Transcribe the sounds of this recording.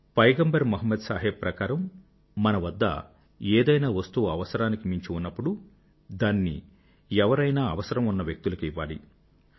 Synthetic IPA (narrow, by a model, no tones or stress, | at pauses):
pɐjɡɐmbɐɾmuɦɐmːɐd̪saːɦepɾɐkaːɾɐmː | ɐnɐʋɐd̪ːɐ̰ | eːd̪ɐjnaːʋɐst̪uːɐʋɐsɐɾaːnikimiɲt͡ʃiunːɐpːuɽu | d̪aːnːḭ | ɛʋɐɾɐjnaːɐʋɐsɐɾɐmunːɐʋjek̚t̪ulɐkːʋːaːli